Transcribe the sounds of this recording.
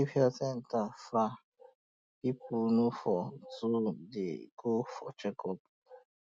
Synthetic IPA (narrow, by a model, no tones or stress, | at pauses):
ipɛsɛn̩tafɾa | pipʰʊnufɔtudḛɡofɔt͡ʃɛkɔp̚